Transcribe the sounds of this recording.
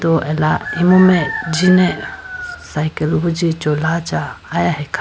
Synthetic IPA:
t̪ɔʔɛlaimɔmɛʔd͡ʒinɛʔsajkəlbud͡ʒit͡ʃɔlat͡ʃaːjahɛkʰ

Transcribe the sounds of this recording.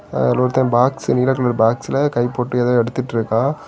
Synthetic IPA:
ɛlːoːɾɯt̪ːɐ̃ːbaːksniːlɐkːɐɭɐɾbaːksɪlɐkɐɪpːoːʈːɯɛðɐːɛɽɯt̪ːɯʈːɾɯkːãː

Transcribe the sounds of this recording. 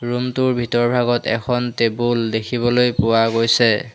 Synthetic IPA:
ɹumtʊɹbʱitɔɹbʱaɡɔtɛ̰kʰɔntebuldekʰibɔlojpʊwaɡojsɛ

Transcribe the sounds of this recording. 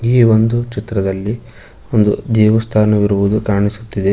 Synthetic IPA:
iːʋo̞nd̪ut͡ʃit̪ɾɐd̪ɐlːi | o̞nd̪ud̪ɛːʋɐst̪ʰaːnɐʋiɾuʋud̪ukaːɳisut̪ːid̪e

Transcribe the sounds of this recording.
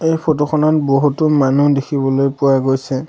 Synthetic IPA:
ejpʰɔtɔxʰɔnɔt̚boɦutumanudekʰibɔlojpʊwaɡojsɛ

